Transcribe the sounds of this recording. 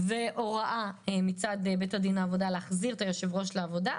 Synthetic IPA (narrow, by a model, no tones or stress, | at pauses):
veʔo̞ʁaʔaemit͡sad̪ebetadinaːvo̞daleːχziʁet̪ajoʃevʁo̞ʃleavo̞da